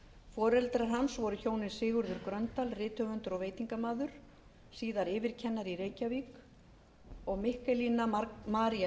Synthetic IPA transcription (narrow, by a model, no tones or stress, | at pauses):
fɔːɾɛlt̪ɾaɦansvɔɾʏçoːwnɪnsɪːɣʏɾðʏɾkɾœnt̪alrɪːt̪œvʏnt̪ʏɾɔɣveːjt̪iŋkamaːðʏɾ̥ | siːðaɾɪːvɪɾ̥cʰɛnːaɾireːjcaviːk | ɔɣmɪhkɛlinamaːɾia